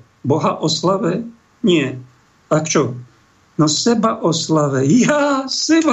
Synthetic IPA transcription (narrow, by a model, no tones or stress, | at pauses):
boɦaʔɔslavɛ | ɲɛ | akt͡ʃo | nosɛbaʔɔslavɛjasɪl